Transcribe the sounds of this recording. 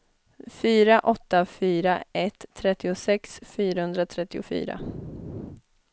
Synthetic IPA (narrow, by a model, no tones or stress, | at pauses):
fyːɾaʔɔt̪ːafyːɾaɛt̪ʰːɾɛt̪ːɪʊsɛksfyːɾahɵnd̪ɾat̪ʰɾɛt̪ːɪʊ̰fy̰ːɾa̰